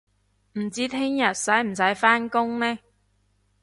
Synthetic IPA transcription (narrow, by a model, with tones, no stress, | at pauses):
m̩˨˩t͡siː˥t̪ʰɪ˥ŋjɐ˨t̚sɐ˨˥jm̩˨˩s̬ɐ˨˥jfaː˥nkʊ˥ŋnɛː˥